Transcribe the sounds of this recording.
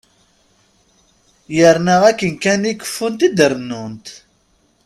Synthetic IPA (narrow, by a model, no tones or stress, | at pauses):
jəɾnəʁækːənkænikːə̥fːunt̪id̪əɾənːunt̪